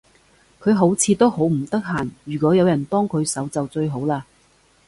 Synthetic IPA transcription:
kʰɵ˨˧ɥɦo˨˥wt͡sʰiː˨˧t̪o˥who˨˥wm̩˨˩t̪ɐ˥k̚ɦaː˨˩njyː˨˩kɔː˨˥jɐ˨˧wjɐ˨˩nt̪ɔː˥ŋkʰɵ˨˧ɥsɐ˨˥wt͡sɐ˨wt͡sɵ˧ɥɦo˨˥wlaː˧

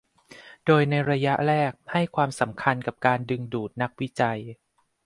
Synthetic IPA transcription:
doː˧jna˧jɾa˧ja˦˥ʔɾɛː˥˩k̚ha˥˩jkʰwaː˧msa˩˦mkʰa˧nka˨˩p̚kaː˧ndɯ˧ŋduː˨˩t̪̚na˦˥k̚wi˦˥t͡ɕa˧j

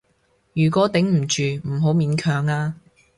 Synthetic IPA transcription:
jyː˨˩kʷɔː˨˥t̪ɪ˨˥ŋm̩˨˩t͡ʃyː˨m̩˨˩ɦo˨˥wmiː˨˥nkʰœː˨˧ŋaː˧

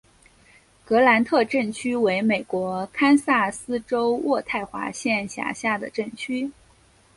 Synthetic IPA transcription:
kɤ˧˥la˧˥nt̪ʰɤ˥˧ʈ͡ʂə˥˩nt͡ɕʰy˥we˧˥ɪme˨˩ɪkwɔ˧˥kʰa˥nsa˥˩sɹ̩˥ʈ͡ʂo˥ʊwʔɔ˥˧t̪ʰa˥˩ɪxwa̰˧˥ɕjɛ˥˧nɕja̰˨˩ɕja˥˩d̪ə̰˩ʈ͡ʂə˥˩nt͡ɕʰy˥

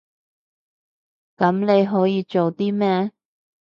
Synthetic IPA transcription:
kɐ˨˥mne˨˧jɦɔː˨˥jiː˨˧t͡ʃo˨wt̪iː˥mɛː˥

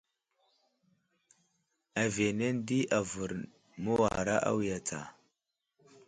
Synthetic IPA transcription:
a˨ve˨ne˦ndi˦ʔa˨və˨ɾ | mə˦wa̰˨ɾa̰˦ʔa̰˦wi˨ja˨t͡sʰa̰˨

